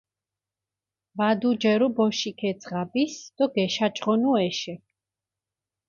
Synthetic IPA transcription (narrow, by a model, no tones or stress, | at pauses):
vad̪ud͡ʒɛɾubɔʃikʰɛt̪sʰʼʁabisd̪̥ɔɡɛʃat͡ʃʼʁɔnuɛʃɛ